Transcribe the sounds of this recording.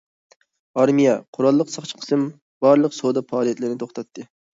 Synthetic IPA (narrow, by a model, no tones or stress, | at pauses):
ɑɾmijɛqʰʊɾɑlˠːəqsɑχt͡ʃʰə̥qʰə̥sɨm | b̥ɑɾlˠəqsod̪ɑpɑːlˠijɛt̪lɪɾnɪt̪ʰoχt̪ɑt̪ʰːɨ